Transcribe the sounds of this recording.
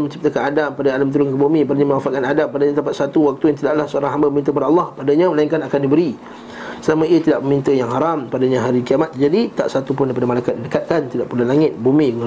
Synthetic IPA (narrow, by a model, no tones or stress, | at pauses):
məɲt͡ʃip̚t̪akanadampadaalamt̪̬əɾʊŋkəbumĩpadaɲamə̃wafaʔkanadampadaɲat̪apat̪̚sat̪uwak̚t̪ujaŋt̪idaʔlahsəoɾaŋɦambaməmint̪əkpadaɑlːɑhpadaɲaməlaiŋkanakandibəɾi | səlamaiət̪idaʔməmint̪əjaŋɦaɾampadaɲaɦaɾikiamat̪̚d͡ʒadit̪a̰ʔsat̪upʊndajpadəmalajkat̪̚idəkat̪̚kant̪idaʔpulalaŋɪt̪̚bumĩ